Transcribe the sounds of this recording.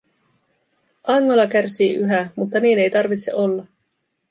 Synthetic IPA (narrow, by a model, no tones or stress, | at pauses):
ʔɑŋːo̞lɑk̟ærsiːʔyɦæmut̪ːɑniːne̞jt̪ɑrʋit̪seʔo̞lːɑ